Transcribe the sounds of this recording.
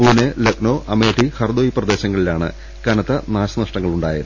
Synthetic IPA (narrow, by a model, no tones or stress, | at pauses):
puːnelɐk̚no̞ːʔɐmeːʈihɐrd̪oːjiprɐd̪e̞ːɕɐŋːɐɭilaːɳɨ̰ | kɐnɐt̪ːɐnaːɕɐnɐʂʈɐŋːɐɭuɳɖa̰ːjɐð